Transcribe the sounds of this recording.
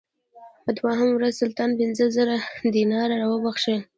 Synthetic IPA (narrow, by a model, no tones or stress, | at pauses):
pəd̪waɦamwɾazsʊlt̪ɑnpɪnzəzəɾad̪inɑɾaɾawəbaxʃe